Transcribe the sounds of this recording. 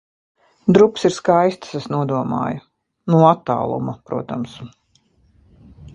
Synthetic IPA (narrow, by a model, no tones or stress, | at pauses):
d̪ɾupsiɾskajst̪ḁsesnuɔd̪uɔma̰ːju | nuɔat̪ːa̰ːlˠṵmapɾuɔt̪ams